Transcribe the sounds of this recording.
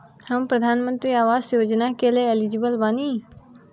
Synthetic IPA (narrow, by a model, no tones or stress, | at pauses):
həmpɾəd̪ʱaːnmə̃nt̪ɾiaːʋaːsjod͡ʒnakeleelid͡ʒibəlbaːni